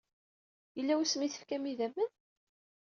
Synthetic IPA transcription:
jəlːæwusmiθə̥fkæmiðæmːən

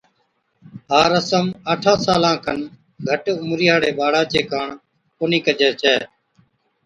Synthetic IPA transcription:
ɦaːɾəsəməʈʰaːsaːlãːkʰən | ɡʱəʈʊmɾɪjaːɽeːɓaːɽaːt͡ʃeːkaːɳ | koːniːkəd͡ʒɛːt͡ʃʰɛː

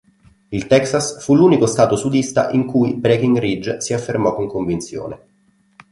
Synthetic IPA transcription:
ilt̪ɛksasfuluːnikost̪aːt̪osud̪ist̪a̰ʔiŋkujbɾek̟iŋɡrid͡ʒsiafːermɔkːoŋkoɱvint̪sjo̰ːne

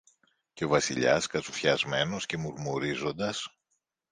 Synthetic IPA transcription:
ce̞o̞vɐsḭʎɐ̰skɐsufçɐzme̞no̞sce̞muɾmuɾizo̞nd̪ɐs

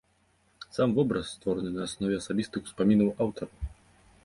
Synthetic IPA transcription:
samvɔbɾɐsːt̪vɔɾɐnɨnɐːsnɔvʲɛɐsabʲist̪ɨxu̥spamʲinɐwawt̪ɐɾ

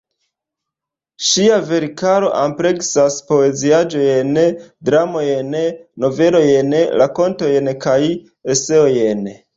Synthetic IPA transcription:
ʃiave̞ɾkaɾo̞ʔampɾe̞ksaspo̞e̞ziad͡ʒojendɾamo̞jenno̞ve̞lo̞jenlako̞nto̞jenkaj | e̞se̞ojen

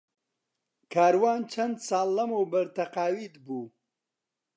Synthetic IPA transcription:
kʰaːɾwɑːnt͡ʃʰɐnd̪saːlːɐmowbəɾt̪ɐqaːwid̪bu

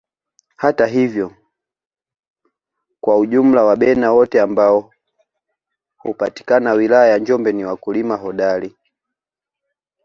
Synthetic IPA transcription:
hataɦivjɔ | kwauʄum̩lawaɓɛnawɔtɛambaɔ | hupati̥kanawilajajaɲd͡ʒɔmbɛniwakulimaɦɔɗali

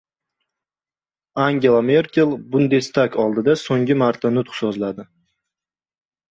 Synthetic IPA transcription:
aŋɡʲe̞lˠame̞ɾkʲe̞lˠbʊnd̪est̪akʰɒlˠd̪ɪd̪asoŋɡʲɪmaɾt̪ʰanʊt̪χsɒzlad̪ɪ

